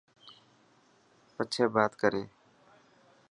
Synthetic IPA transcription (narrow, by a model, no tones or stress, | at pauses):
pət͡ʃʰeːbaːt̪kəɾeː